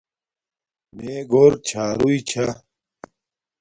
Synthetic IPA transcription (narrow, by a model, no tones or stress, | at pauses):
meːɡoːɾt͡ɕʰaːɾuit͡ɕʰa